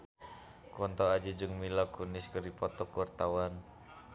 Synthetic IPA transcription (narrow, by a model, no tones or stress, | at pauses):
kɔnt̪ɔad͡ʒid͡ʒɨŋmilɔkuniskərdipɔt̪ɔkuart̪awan